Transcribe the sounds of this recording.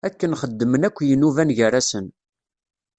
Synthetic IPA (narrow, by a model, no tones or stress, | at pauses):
ækːənχəd̪ːmənækʷːjənuvænʝəɾasən